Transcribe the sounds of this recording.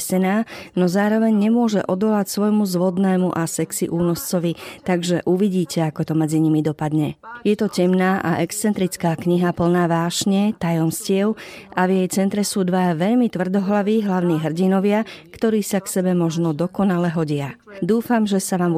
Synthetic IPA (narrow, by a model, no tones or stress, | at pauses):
sɛnaːnɔzaːɾɔʋɛɲɲɛmʊɔʒɛʔɔd̪ɔlacsʋɔjmuzʋɔd̪nɛːmuʔasɛksḭʔuːnɔst͡sɔʋit̪aɡʒɛʔuʋiɟiːcɛakɔt̪ɔmɛd͡ziɲimid̪ɔpad̪ɲɛjɛt̪ɔcɛmnaːʔa̰ʔɛkst͡sɛnt̪ɾit͡skaːkɲiɦapl̩naːʋaːʃɲɛt̪ajɔmscɪɛʊʔavjɛjt͡sɛnt̪ɾɛsuːd̪ʋaaʋɛʎmit̪ʋr̩d̪ɔɦlaʋiɦlaʊniːɦr̩ɟinɔʋɪakt̪ɔɾiːsaksɛbɛmɔʒnɔd̪ɔkɔnalɛɦɔɟɪad̪uːfamʒɛsaʋaːm